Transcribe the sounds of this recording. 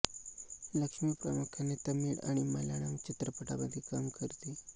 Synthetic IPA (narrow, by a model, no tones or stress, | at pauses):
ləkʂmipɾə̰mukʰanet̪əmiːɽa̰ɽ̃iməlaɽaŋt͡ɕit̪ɾəpəʈabəd̪ʱikamkəɾt̪i